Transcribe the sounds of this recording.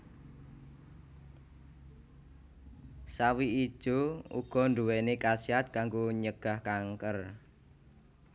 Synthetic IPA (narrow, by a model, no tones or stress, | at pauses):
sawii̥ʒ̥oṵɡ̥ɔ̤nd̪uwɛnekasiat̪̚kaŋɡoɲəɡ̥a̤hkaŋkər